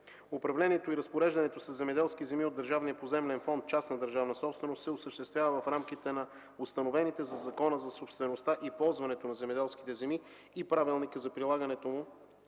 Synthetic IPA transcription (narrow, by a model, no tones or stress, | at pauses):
opɾɐvlɛniɛt̪oiɾɐspoɾɛʒd̪ɐnɛt̪osəzzːɛmɛd̪ɛlˠskizɛmiod̪əɾʒavniəpozɛmlɛnfɔnt̪̚t͡ʃasnɐd̪əɾʒavnəsɔpst̪vɛnost̪sɛosəʃt̪ɛst̪vʲjavəvɐfɾamk̟it̪ɛnɐ | ʊst̪ɐnovɛnit̪ɛzɐzɐkɔnəzɐsopst̪vɛnost̪aʔipɔlˠzvɐnɛt̪onɐzɛmɛd̪ɛlˠski̥t̪ɛzɛmiː | pɾavilˠnikəzɐpɾilˠaɡənɛt̪omu